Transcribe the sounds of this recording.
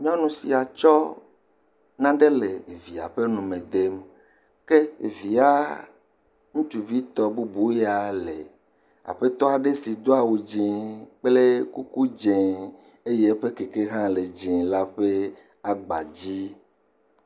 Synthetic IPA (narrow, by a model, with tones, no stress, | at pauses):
ɲ̃˦ɔ̃˦nũ˨si˨a˨t͡ʃɔ˦ | nã˦ɖe˦le˨vi˨a̰˨ɸe˦nũ˨mẽ˨d̪e˦m | ke˦˨vi˨a˦ | ŋũ˦t͡ʃu˨vi˦t̪ɔ˦bu˦bu˦ja˨le˨ | a̰˨ɸe˦t̪ɔ˦a˨ɖe˦si˨d̪o˦a˨wu˨d͡ʒĩ˨k͡ple˦ku˦ku˦d͡ʒẽ˨ | e˦je˦ɸe˦ke˨ke˦ɦã˦le˨d͡ʒĩ˨la˦ɸe˦ | a˦ɡ͡ba˨d͡ʑi˦